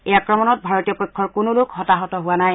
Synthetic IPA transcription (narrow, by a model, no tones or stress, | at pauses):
ejakɹɔmɔnɔt̚bʱaɹotijɔpɔjkʰːɔɹkʊnʊlʊkhɔtaɦɔtɔɦʊwanaj